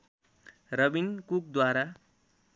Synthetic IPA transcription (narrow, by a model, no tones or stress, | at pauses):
rʌbinkuk̚d̪waɾa